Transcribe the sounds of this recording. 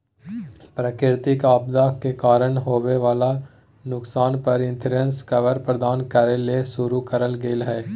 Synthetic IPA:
pɾəkɪɾt̪ikaːb̚d̪akekaːɾəɽɦoːʋeʋaːla | nʊksaːnpɐɾɪ̃nt̪ʰɾə̃nskəʋəɾpɾəd̪aːnkəɾelesʊɾukəɾəlɡeːlɦɛː

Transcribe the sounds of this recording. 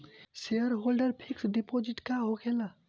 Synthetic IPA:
seəɾɦolɖəɾpʰiksɖepod͡ʒiʈkaɦokʰela

